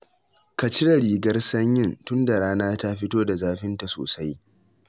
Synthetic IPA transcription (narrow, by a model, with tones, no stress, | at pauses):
ka˨t͡ʃɪ˦ɽa˨ɽiː˨ɡɐ˦rsɐ˦ɲjɪ˦˨ntʊ˦nda˨ɽaː˦naː˦ta˦ɸɪ˦toː˦da˨zaː˦ɸɪ˦nta˨so̰ː˨sa˦j